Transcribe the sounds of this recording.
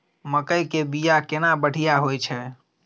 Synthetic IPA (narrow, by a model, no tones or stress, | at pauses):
məkəjkebijakenabəɽ̤ijaɦojt͡ʃʰɛ